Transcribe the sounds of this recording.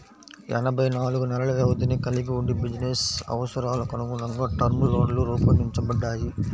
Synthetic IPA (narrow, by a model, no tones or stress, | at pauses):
ɛ̰nɐbʱɐjnaːluɡunɛlɐlɐɡɐːʋɐd̪ːinikɐliɡ̬iuɳɖibid͡ʒinesɐ̰ʋɐsɐɾaːlɐkɐnɐɡuɳɐŋɡaːʈɐɾmuloːɽluɾuːpɐniɲt͡ʃɐbɐɖːaːji